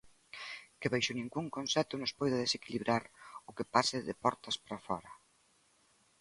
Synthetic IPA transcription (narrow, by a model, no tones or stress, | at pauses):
kɪβejʃʊnĩŋɡuŋkonsɛt̪ʊnʊspojðʊðesekiliβɾaɾʊkɪpasɪðɪpɔɾt̪ɐspɾafɔɾɐ